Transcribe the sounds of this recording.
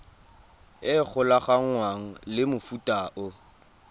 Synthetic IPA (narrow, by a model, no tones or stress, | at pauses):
ɪk͡xʰʊlaχaŋ̩ŋwaŋ̩lɪmʊfutʼaʔʊ